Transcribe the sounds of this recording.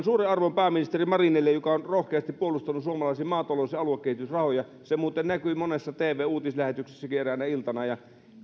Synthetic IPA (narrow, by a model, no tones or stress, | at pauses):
nsuːreɑrʋompæːminist̪erimɑrinilːejokɑonrohkeɑst̪ipuolust̪ɑnusuomɑlɑˑisimɑːt̪ɑloˑseɑluekːehit̪ysrɑhojɑ | semuːt̪ennækyimonesːɑt̪eːʋˑeːuːt̪islæhet̪ykse̥sːækieræˑnæilt̪ɑnɑjɑ